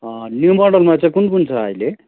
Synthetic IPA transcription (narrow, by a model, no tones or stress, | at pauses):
njumɔrɖʌlmãt͡saĩkunkunt͡sʰʌ̰ːile